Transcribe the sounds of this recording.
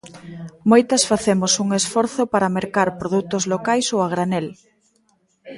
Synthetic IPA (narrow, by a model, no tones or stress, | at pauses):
mojt̪ɐsfaθemosuŋesfɔɾθopaɾɐmeɾkaɾpɾoðut̪ozlokajsowaɣɾanel